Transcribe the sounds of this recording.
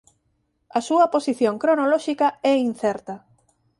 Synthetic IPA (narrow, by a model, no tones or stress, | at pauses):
ɐsuɐposiθjoŋkɾonolɔʃikɐɛin̟θɛɾt̪ɐ